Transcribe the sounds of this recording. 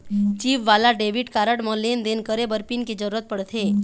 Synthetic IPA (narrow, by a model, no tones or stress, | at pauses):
t͡ʃiʋʋalaɖeʋiʈkaɾəʈmə̃lend̪enkəɾebəɾpinked͡ʒəɾuɾət̪̚pəɽt̪ʰe